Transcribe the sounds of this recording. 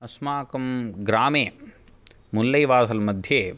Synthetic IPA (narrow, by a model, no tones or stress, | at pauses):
ɐsmaːkɐmɡɾaːmeː | mulːɐjʋaːsɐlmɐd̪ʱjeː